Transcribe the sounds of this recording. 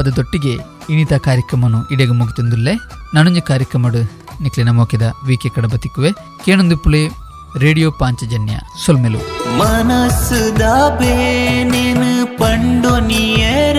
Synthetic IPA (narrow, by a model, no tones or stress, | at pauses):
ɐd̪ɐd̪oʈːiɡe | init̪ɐkaːɾjɐkɾɐmɐnuʔiɽeɡɐmuɡit̪ind̪ulːe | nɐnuɲd͡ʒɐkaːɾjɐkɾɐmɐɽu | niklinɐmoːkɐd̪ɐʋiːkekɐɽɐbɐt̪ikːuʋe | keːnond̪upːule | ɾeːɽijoːpaːɲt͡ʃɐd͡ʒɐnjɐ̰solmelṵmɐnɐsud̪abeːnenɨpɐɳɖonijeɾ